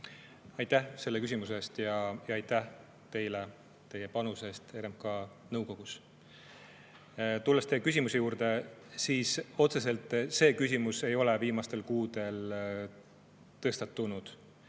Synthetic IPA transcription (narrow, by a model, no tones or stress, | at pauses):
ɑjt̪æhse̞lːekys̬ʲimuse̞ːst̪jɑjɑɑjt̪ːæh | t̪e̞jle | t̪e̞jepɑnuse̞ːst̪e̞ɾemkɑ | nɤwko̞ɡ̥us | t̪ulːest̪ejkysʲimuse̞juːɾd̪̥e̞siːso̞t̪se̞s̬e̞lt̪ˑse̞ːkysʲimuse̞jo̞leviːmɑst̪e̞lkuːd̪̥e̞l | t̪ɤ̞st̪ɑt̪ːˑunud̪̥